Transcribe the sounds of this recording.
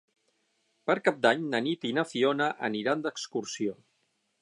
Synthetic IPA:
pəɾkap̚d̪aɲnənit̪inəfionəʔəniɾand̪əkskuɾsio

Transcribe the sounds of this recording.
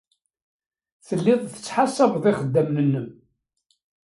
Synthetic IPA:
θəlːɪðˤθə̥t͡sːħasæbðˤiχəd̪ːæmnənːəm

